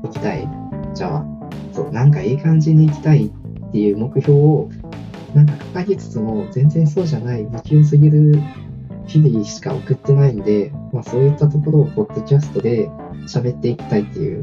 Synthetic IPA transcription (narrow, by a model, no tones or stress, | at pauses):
ikʲi̥t̪a̰ḭ | d͡ʑa̰βa̰ | so̞̰ːnãŋkaiːkãɲ̟d͡ʑiɲ̟ːiːk̬ʲi̥t̪ait̪ːe̞jɯ̟ːmo̞kɯ̟ço̞ːo | nãŋkakḁkaɲʲit͡sɨ̥t͡sɨmo̞zẽ̞nd͡zẽ̞ñs̬o̞ːʑanaimikʲos̬ɨɡʲiɾɯ̟ | çʲibʲiɕi̥ka̰o̰kɯ̟t̪ːe̞nainod̪e̞maso̞ːjɯt̪ːat̪̬o̞ko̞ɾo̞ːpo̞d̪̥ːo̞kʲasɨ̥t̪o̞d̪e̞ | ɕabe̞t̪ːe̞ikʲi̥t̪ait̪ːe̞jɯ̟̰ː